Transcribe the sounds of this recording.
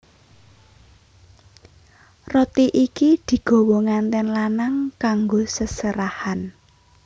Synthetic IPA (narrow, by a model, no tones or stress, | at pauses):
rɔt̪iʔikid̪̥i̤ɡ̥o̤woŋant̪ɛnlanaŋkaŋɡosəsəɾahan